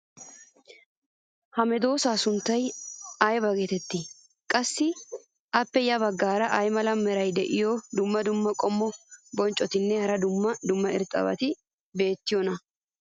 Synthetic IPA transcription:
hɐmɛd̪o̞ːsaːsʊnt̪ːɐjɐjbɐɡet̪ɛt̪ːɪ | kʼɐsːɪ | ʔɐpːɛjɐbɐɡːaːɾɐʔɐjmɐlɐmːɛɾɐjd̪ɛʔɪjɔd̪ʊmːɐd̪ʊmːɐkʼɔmːɔbɔnt͡ʃʼːɔt̪ɪnːɛhɐɾɐd̪ʊmːɐd̪ʊmːɐɪ̰ɾt̪ʼɐ̰bɐ̰t̪ɪ | be̞ːt̪ːɪjɔnɐ

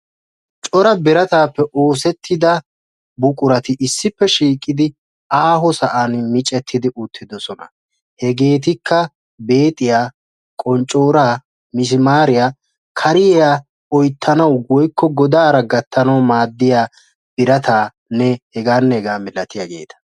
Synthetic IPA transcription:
t͡ʃʼɔɾɐbɪɾɐt̪aːpːɛʔo̞ːsɛt̪ʰːɪd̪ɐ | bʊkʼʊɾɐt̪ɪʔɪsːɪpːɛʃiːkʼːɪd̪ɪ | aːɦɔsɐʔanmɪt͡ʃʼɛt̪ʰːɪd̪ɪʔʊt̪ʰːɪd̪ɔsɔnɐ̰ | hɛɡe̞ːt̪̬ɪkʰːɐ | be̞ːt̪ʼɪjaː | kʼɔnt͡ʃʼo̞ːɾaː | mɪs̬ɪmaːɾɪjaː | kʰɐɾɪjɛjaː | ɔjt̪ʰːɐnɐwwɔjkːɔɡɔd̪aːɾɐɡɐt̪ːɐnɐwmaːd̪ːɪjaː | b̥ɪɾɐt̪aː | nɛhɛɡaːnːɛhɛɡaːmɪlɐt̪ɪjaɡe̞̰ːt̪ɐ̥

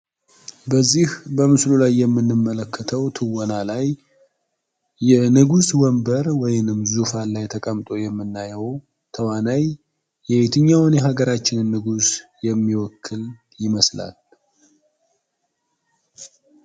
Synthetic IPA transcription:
bəzːihbəmɨslulajːɛmːɨnːɨmːələkʰːət̪ʰəwt̪ʰɨwɔnalaj | ɛnɨɡuswɔmbəɾwɔjɪnɨmzufalajt̪ʰəkʼəmt̪ʼo̞jɛmːɨnːajɛw | t̪ʰəwanajː | ɛwe̞t̪ʰɨɲːawneɦaɡəɾat͡ʃːɪnɨnːɨɡusjɛmːiwɔkʰːɨl | jɪməsla̰l

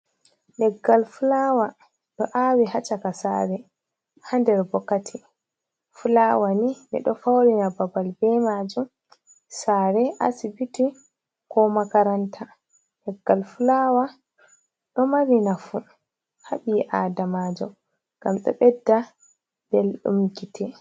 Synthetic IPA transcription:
ɗɛɡːalfulaːwa | ɗɔʔawihat͡ʃakasa̰ːɾɛ | handɛɾbɔkːatʰi | fulawaninɛ̰ɗɔfawɾinababalbɛmad͡ʒum | saːɾɛʔa̰sibiti | kɔmakaɾantʰa | hɛɡalfulawa | ɗɔmaɾinafu | haɓiʔaːdamad͡ʒɔ | ɡ̥amɗɔ̰ɓɛdːa | bɛlɗṵmɡitʰɛ

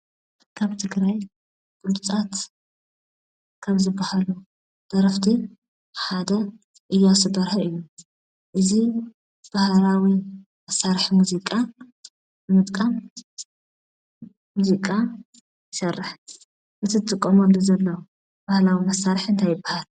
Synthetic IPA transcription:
kʰaβt̪ʰɨɡɾaj | ɡ̥ulut͡sʼat̪ | kʰɐmzɨbːahalu | d̪̥ɐɾɐft̪ʰi | ħad̪ɐ | ʔɨjːasɨb̪ɐɾħɐʔɨjːu | ʔɨzi | b̥ahlawi | mɐsːaɾħimuzikʼa | mɨt̪ʼkʼam | muzikʼa | jɪsɐrːɨħ | mɨt̪ʰɨt̪ʰʼːɨkʼːɐmɐluzɐlːɐw | b̥ahlawimɐsːaɾħɨnt̪ʰajɪbːahal

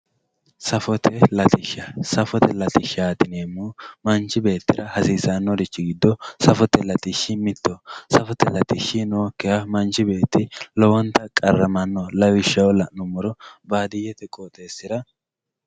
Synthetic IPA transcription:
sɐfɔt̪ʰɛlɐt̪ɪʃɐsɐfɔt̪ɛlɐt̪ɪʃaːt̪ɪneːmːumɐnt͡ʃɪbe̞ːt̪ːɪɾɐhɐsiːzanːɔd̪ɪt͡ʃːɪɡɪd̪ːɔsɐfɔt̪ːɛlɐt̪ɪʃːɪmɪt̪ːɔsɐfɔt̪ːɛlɐt̪ɪʃːɪnoːkːɪhɐmɐnt͡ʃɪbe̞ːt̪ːɪlɔwɔnt̪ːɐkʼɐrːɐmɐnːɔlɐwɪʃːɐwɔlɐʔnɔmɔɾɔbaːd̪ɪjɛt̪ɛkʼot̪ʼe̞ːsɪɾɐ

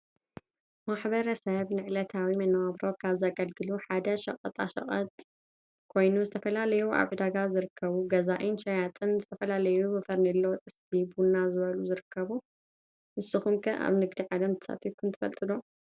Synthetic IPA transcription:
maħbɐɾɐsɐβnɨʕlɐt̪ʰawimɐnɐwaβɾo̞kʰaβzaɡɐlɡɨluħad̪ɐʃɐ̰χʼɐt̪ʼa̰ʃɐ̰χʼɐ̰t̪ʼ | kʰo̞jnuzɨt̪ʰɐfɐlalɐjuʔa̰βʕɨd̪aɡazɨɾɨkʰːɐβuɡɐzaʔinʃɐjat̪ʼɨnzɨt̪ʰɐfɐlalɐjubɐfɐɾnɐlːɐwt̪ʼɨsbibunːazɨβɐluzɨɾɨkʰːɐβu | ʔɨsːɨxumkʰɐ̰ʔa̰βnɨɡd̪iʕad̪ɐmt̪ʰɨ̥sa̰t̪ʰifkʰɨnt̪ʰɨfɐ̰lt̪ʼɨlo

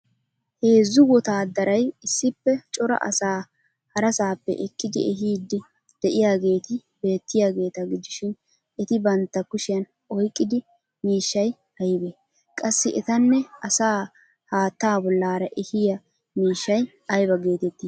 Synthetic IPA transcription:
he̞ːzːʊwɔt̪aːd̪ɐɾɐjɪsːɪpːɛt͡ʃʼɔɾɐ̰ʔɐ̰saː | hɐɾɐsaːpːɛ̰ʔɛkʼːɪd̪ɪ̰ɛɦiːd̪ːɪ | d̪̥ɛʔɪjaːɡe̞ːt̪ɪ | be̞ːt̪ːɪjaːɡe̞ːt̪ɐɡɪd̪ɪʃɪn | ɛt̪ɪbɐnt̪ːɐkʊʃɪjɐn | ʔɔjkʼːɪd̪ɪ | miːʃːɐj | hɐjɪbe | kʼɐsːɪʔɛt̪ɐnːɛɐsaː | haːt̪ːaːbɔlːaːɾɐʔɛhɪjɐ | miːʃːɐj | ɐjbɐɡe̞ːt̪ɛt̪ːiː

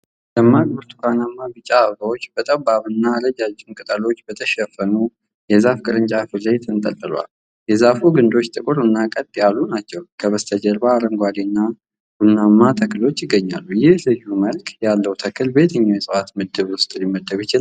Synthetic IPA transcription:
ləmːaɡbɨɾt̪ʰu̥kʰanamːabɨt͡ʃʼaːβɡawot͡ʃːbət̪ʼəbaβɨnːaləd͡ʒad͡ʒːɪnkʼɨt̪ʼəlo̞t͡ʃːbət̪ʰəʃɛfːənu | jɛzafkʼɨɾɨnt͡ʃʼafɨləjt̪ʰɨnt̪ʼə̰t̪ʼːɨla̰l | jɛzafuɡɨnd̪o̞t͡ʃːt̪ʼɨkʼɨɾɨnːakʼət̪ʼjalːunat͡ʃːɛwkʰəβəst̪ʰəd͡ʒəɾbaːɾəŋɡʷad̪inːa | ɡ̥unːamːat̪ʰəklo̞t͡ʃːjɪɡːəɲːa̰lːujɪhlɨjːuməlkʼjalːəwt̪ʰəkʰɨlbe̞t̪ʰɨɲːawjɛsʼɨwat̪mɨd̪ːɨβwʊst̪ʼɨlimːəd̪ːəβjɪt͡ʃɪa

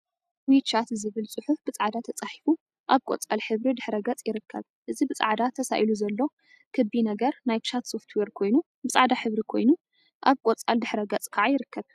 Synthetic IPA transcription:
wit͡ʃʰat̪zɨβɨlsʼɨħufbɨt͡sʼaʕd̪at̪ʰɐt͡sʼaħifu | ʔaβkʼo̰t͡sʼalħɨβɾid̪ɨħɾɐɡɐt͡sʼjɪɾɨkʰːɐ̰β | ʔɨzibɨt͡sʼa̰ʕd̪at̪ʰɐsa̰ʔjluzɐlːo̞ | kʰɨbinɐɡɐɾnajt͡ʃʰat̪so̞ft̪ʰweɾkʰo̞jnu | bɨt͡sʼaʕd̪aħɨβɾikʰo̞jnu | ʔaβkʼot͡sʼald̪ɨħɾɐɡɐt͡sʼkʰaʕajɪɾɨkːɐβ

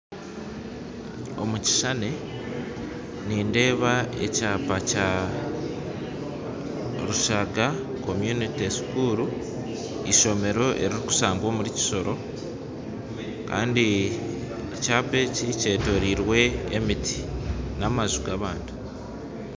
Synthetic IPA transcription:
o̞̰muci̥ʃane̞ | niːnde̞ːβae̞̰caːpaca | ɾuʃaɡa | ko̞mjunitisu̥kuːɾu | iʃo̞me̞ɾo̞ʔe̞ɾiɾiku̥saːŋɡwoːmuɾici̥ʃo̞ɾʔo̞ | ka̰ːndi | ecaːpe̞cice̞ːto̞ɾiːɾwe̞ːmitʰi̥namazuɡaβaːndi̥

